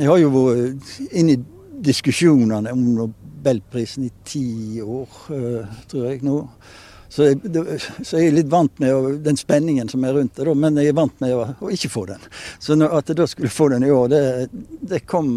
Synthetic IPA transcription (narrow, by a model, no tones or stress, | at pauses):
ɛɡhɑɾjʊʋɔ | ɪnːɪ | d̪ɪskʉʂuːnənəɔmnʊbɛlpʰɾiːsn̩ɪt̪ʰiːoːɾt̪ʰɾuːɾɛɡnuː | sɔɛd̪ɛsɔɛɡʊlɪt̪ːʋɑnt̪mɛɔd̪ɛnspɛnːɪŋənsɔmæɾʉnt̪̚d̪æɪd̪oːmɛnɛɡæʋɑnt̪mɛɔːɪçːəfoːd̪ɛnsɔnɔɑt̪̚d̪ɛd̪oskʉlːəfoːd̪ɛnɪoːɾd̪ɛd̪ɛkʰɔmː